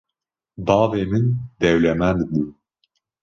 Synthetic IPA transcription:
bɑːveːmind̪ɛwlɛmænd̪bu

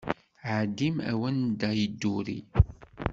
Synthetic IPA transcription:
ʕad̪imæ̰wænd̪æjəd̪ːuɾḭ

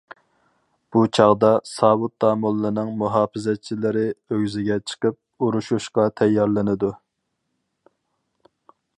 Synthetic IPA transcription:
b̥ut͡ʃʰɑʁd̪ɑsɑːwut̪̚ːɑːmulˠːɨnɨŋmuɦɑːfɪzɛt͡ʃʰilɪɾɪøɡʲzɪɡʲɛt͡ʃʰə̥qəp̚uɾuʃuʃqɑt̪ʰɛjːɑɾlˠɪnɪd̪u

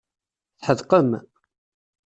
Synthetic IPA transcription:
θħəðqəm

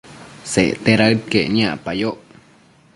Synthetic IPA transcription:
sḛʔt̪eɾaɨt̪̚keɲapajoʔ

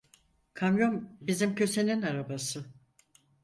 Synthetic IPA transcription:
kʰamjo̞mbizimcʰø̞se̞ninaɾabasɯ

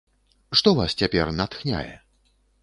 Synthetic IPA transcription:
ʂt̪ɔvast͡sʲapʲɛrnat̪xnʲa̰jɛ̰

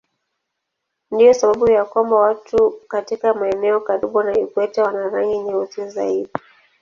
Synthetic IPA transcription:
ndijɔsaɓaɓujakwambawatukatikamaɛnɛɔkaɾiɓuwanaikwɛtawanaɾaŋɡiɲɛuziza̰iɗi

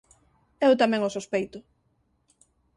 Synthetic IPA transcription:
ɛwt̪amɛ̃ŋosospejt̪ʊ

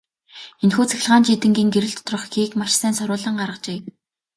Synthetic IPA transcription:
enxuːt͡sʰæ̥x̆ʲɮʁaːnt͡ɕit̪ɘ̆ŋɡʲiːŋɡeɾɘ̆ɬt̪ʰt̪rɞ̆χɡiːkmaʃsæːnsɔɾʊːɮə̆ɴɢaɾʁə̆qt͡ɕeː

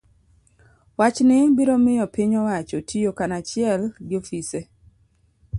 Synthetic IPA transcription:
wat͡ʃnɪbiɾomɪjɔpiɲɔwat͡ʃotʰiokanat͡ʃɪɛlɡɪofise

